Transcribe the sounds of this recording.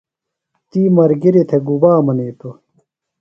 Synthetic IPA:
t̪iːmɐɾɡiɾit̪ʰeɡubaːmɐneːt̪o

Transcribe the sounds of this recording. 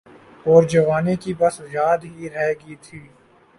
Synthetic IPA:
ɔːɾd͡ʒɐʋaːnekibɐsjaːd̪ɦiɾɛɦɡiːt̪ʰiː

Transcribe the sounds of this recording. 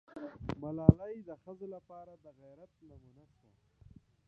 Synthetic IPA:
malɑːlajd̪əxəzolapɑːɾad̪əɣajɾat̪namunaʃwo̰

